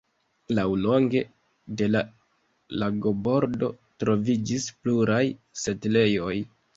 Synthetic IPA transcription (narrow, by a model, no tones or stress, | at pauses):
lawlo̞ŋɡe̞ | de̞la | laɡo̞bo̞ɾdo̞ | tɾo̞vid͡ʒispluɾajse̞tle̞jo̞j